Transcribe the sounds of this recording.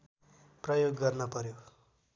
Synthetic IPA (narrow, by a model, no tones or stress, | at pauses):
prʌjoɡːʌrnʌpʌɾjo